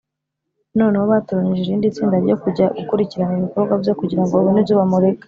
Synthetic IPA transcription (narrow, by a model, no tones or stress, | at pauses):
no̞ːnehoβatoɾaɲiʒeɾiːndit͡siːndaɾɟo̞kuɟaukuɾiciɾaniβiko̞bɡwavjo̞kuɟiɾaŋɡoβunibzuβamuɾeka